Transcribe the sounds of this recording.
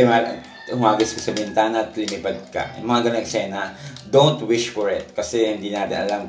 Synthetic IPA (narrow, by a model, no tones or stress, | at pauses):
ɛma | ʊmaːɡɪskɐsɐbɪnt̪aːnɐʔɐt̪lɪmɪpɐd̪̚kɐ̰ʔɐ̰mɐŋaɡɐnoŋɛksɛːnɐd̪ownt̪wɪʃfɔɹɪt̪̚kɐsɛhɪnd̪iːnaːt̪ɪ̰nʔɐ̰lam